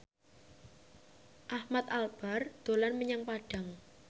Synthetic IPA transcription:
ʔahmat̪alb̥a̤rd̪̥o̤lanməɲaŋpaɖ̥a̤ŋ

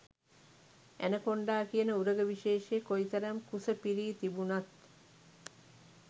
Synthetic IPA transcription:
ʔænəkoɳɖaːkijənəuɾəɡəʋiʃeːʃeːkojt̪ɐɾɐmkusəpiɾiːt̪ibunat̪

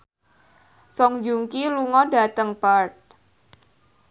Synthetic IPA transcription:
sɔŋd͡ʒuŋkiluŋɔda̤t̪əŋpart̪̚

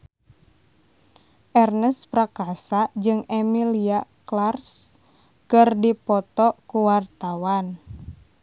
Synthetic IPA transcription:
ʔɛrnəspɾakasad͡ʒɨŋɛmiliaklars | kɨrdipɔt̪ɔkuwart̪awan

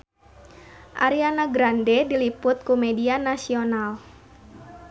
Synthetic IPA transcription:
ʔaɾianaɡɾandɛdilipʊt̪̚kumɛdianasional

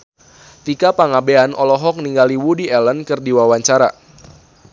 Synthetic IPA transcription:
t̪ikapaŋabeanʔɔlɔɦɔk̚niŋɡaliwudiɛlənkɨrdiwawaɲt͡ʃaɾa̰

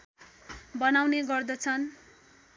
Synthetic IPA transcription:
bʌnawneɡʌrd̪ʌt͡sʰʌn

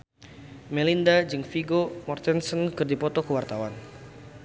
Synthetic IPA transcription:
mɛlindad͡ʒɨŋfiɡomɔrt̪ɛnsɔnkɨrdipɔt̪ɔkəwart̪awan

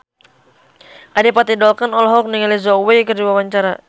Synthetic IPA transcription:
ʔadɛpat̪idɔlkanɔlɔɦɔk̚niŋalizɔwekərdiwawaɲt͡ʃaɾa

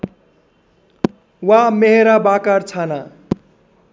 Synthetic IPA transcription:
wameɦeɾabakart͡sʰana

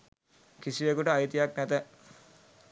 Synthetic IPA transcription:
kisiʋekuʈəajit̪ijaknæt̪ə

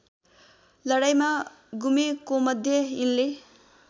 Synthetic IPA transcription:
lʌɽajma | ɡumekomʌd̪ʱjʌinle

